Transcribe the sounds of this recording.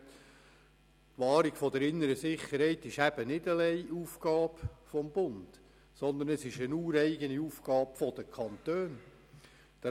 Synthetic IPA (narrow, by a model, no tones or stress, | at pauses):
tʋɑːɾiɡ̥fɔd̪əɾɪnːəɾəsɪχəɾhɛɪt̪ɪʃæb̥ənɪdəlɛɪʔuːfɡ̥ɑːbfɔmbʊnd̥ | sɔnd̪ənəsɪʃənuːɾɛɪɡəniuːfɡ̥ɑːpfɔd̥̪əkʰɑnt̪øːn | d̥ə